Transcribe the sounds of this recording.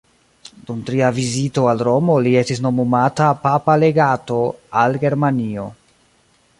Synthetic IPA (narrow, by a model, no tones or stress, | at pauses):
d̥umtɾiavizito̞alɾo̞mo̞lie̞stis̬no̞momatapapale̞ɡato̞alɡe̞ɾmanio̞̰